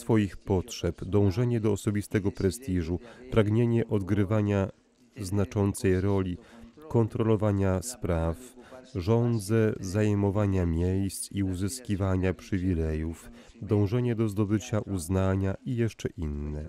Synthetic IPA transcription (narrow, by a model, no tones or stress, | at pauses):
sfɔjixpɔtʂɛpd̪ɔ̃w̃ʐɛɲɛd̪ɔːsɔbʲist̪ɛɡɔpɾɛst̪iʐupɾaɡɲeɲɛʔɔd̪ɡɾɘvaɲa | znat͡ʂɔnt̪sɛjɾɔlʲikɔnt̪ɾɔlɔvaɲaspɾafʐɔnd̪zɛzajɛmɔvaɲamʲjejst̪siuzɘskʲivaɲapʂɘvʲilɛjuf | d̪ɔ̃w̃ʐɛɲɛd̪ɔzd̪ɔbɘt͡ɕaʔuznaɲaijɛʂt͡ʂɛʔinːɛ